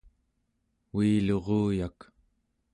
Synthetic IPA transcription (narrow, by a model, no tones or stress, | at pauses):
wiːlo̞ʁuːjak